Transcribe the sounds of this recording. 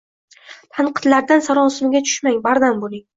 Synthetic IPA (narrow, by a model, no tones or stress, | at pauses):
t̪ʰaɴqʰɨ̥t̪laɾd̪ansaɾɒnsɪmɪɡʲat͡ʃʰʊ̥ʃmaŋʲbaɾd̪ambolɪŋ